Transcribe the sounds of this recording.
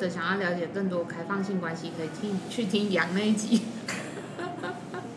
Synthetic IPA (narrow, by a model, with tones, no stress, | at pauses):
ɤ˨˧˩ɕjɑ˨˩ŋjɑ˥˩ʊljɑ˧˥t͡ɕjɛ˨˩kɤ˥˩ŋt̪̬wɔ˥kʰa˥ɪfɑ˥˧ŋɕi˥˩ŋkwa˥nɕi˧˥kʰɤ˧˥i˨˩t̪ʰi˥ŋt͡ɕʰy˥˩t̪ʰi˥ŋjɑ˨˩ŋne˥˩ɪt͡ɕi˧˥